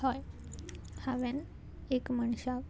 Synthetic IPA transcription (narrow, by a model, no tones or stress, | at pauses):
hɔj | haʋen | ekməɳɕa